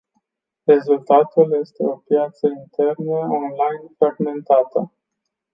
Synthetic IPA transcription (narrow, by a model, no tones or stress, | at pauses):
re̞zult̪at̪ulje̞st̪e̞o̞pjat̪səint̪e̞rnəo̞nlajnfɾaɡme̞nt̪at̪ə